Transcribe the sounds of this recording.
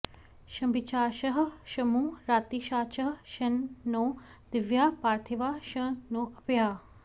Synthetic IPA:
ʃɐ̃mbɪt͡ʃaːʃɐɦʃɐmuːɾaːt̪iːʃaːt͡ʃɐɦʃɐnːõː | d̪̥ɪʋjaːpaːɾt̪ʰiʋaːʃə̃nõːɐpjaː

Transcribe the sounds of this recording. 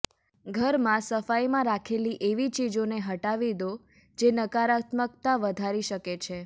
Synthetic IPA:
ɡʱəɾmãsəfajmãɾakʰeliʔeʋit͡ʃid͡ʒoneɦəʈaʋid̪o | d͡ʒenəkaɾat̪məkt̪aʋəd̪ʱaɾiʃəket͡ʃʰe

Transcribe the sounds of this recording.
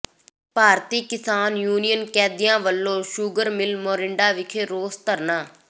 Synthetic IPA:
paːɾt̪iːkɪsaːnjuːnijənkɛːd̪ɪjãːʋəlːõːʃuɡəɾmɪlmoːɾɪɳɖaːʋɪkʰeːɾoːst̪əɾnaː

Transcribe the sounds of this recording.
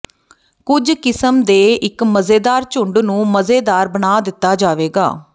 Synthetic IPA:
kʊd͡ʒkɪsəmd̪eːɪkməzeːd̪aːɾt͡ʃʊɳɖnũːməzeːd̪aːɾbənaːd̪ɪt̪ːaːd͡ʒaːʋeːɡa̰ː

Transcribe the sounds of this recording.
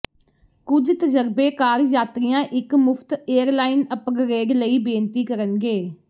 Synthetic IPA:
kʊd͡ʒt̪əd͡ʒəɾbeːkaːɾjaːt̪ɾɪjãːʔɪkmʊpʰt̪eːəɾlaːɪnəpɡɾeːɡləiːbẽːnt̪iːkəɾənɡeː

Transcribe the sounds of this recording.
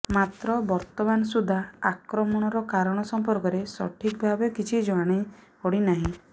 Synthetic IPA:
mat̪ɾɔbɔɾt̪ɔmanɔsud̪ʱaakɾɔmɔɽ̃ɔɾɔkaɾɔɽ̃ɔsɔmpɔɾkɔɾesɔ̰ʈʰik̚bʱabɔkit͡ʃʰid͡ʒɔaɽ̃ipɔɽinaɦĩ

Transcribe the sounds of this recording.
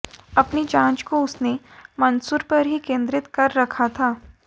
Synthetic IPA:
ɐpnid͡ʒãːt͡ʃkoʊsnemɐnsuːɾpɐɾɦikẽːnd̪ɾɪt̪kɐɾːɐkʰat̪ʰaː

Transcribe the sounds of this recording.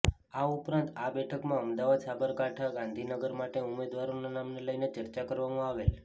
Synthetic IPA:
aupɾãnt̪abɛʈʰəkmãəmd̪aʋad̪sabəɾkaʈʰaɡãnd̪ʱinəɡəɾmaʈeumed̪ʋaɾonanamneləjnet͡ʃəɾt͡ʃakəɾʋamãaʋel

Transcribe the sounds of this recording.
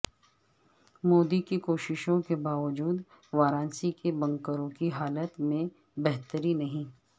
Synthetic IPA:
moːd̪ikikoːʃɪʃõkebaːʋəd͡ʒuːd̪ | ʋaːɾãːnsikebɐ̃ŋkəɾõkiɦaːlət̪mẽ | bɛɦt̪əɾinɐɦĩː

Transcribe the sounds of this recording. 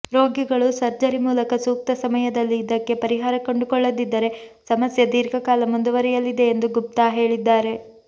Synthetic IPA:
ɾo̞ːɡiɡɐɭusɐɾd͡ʒɐɾimuːlɐkɐsuːk̚t̪ɐsɐmɐjɐd̪ɐlːiːd̪ɐkːe̞pɐɾiɦaːɾɐkoɳɖukɔɭːɐd̪id̪ːɐɾe̞sɐmɐsjɐd̪iːɾɡɐkaːlɐmund̪uʋɐɾɛjɐlːid̪e̞ːnd̪uɡup̚t̪aːɦe̞ːɭid̪ːaːɾe̞

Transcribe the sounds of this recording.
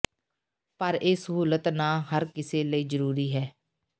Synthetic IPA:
pəɾeːsəɦuːlət̪nãːɦəɾkɪseːləiːzəɾuːɾiːɦɛː

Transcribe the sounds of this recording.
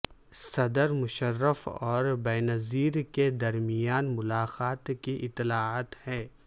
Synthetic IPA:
sɐd̪əɾmʊʃəɾːəfɔːɾbɛːnɐziːɾked̪ɐɾmijaːnmʊlaːqaːt̪kiʔɪt̪ːɪlaːaːt̪hɛː

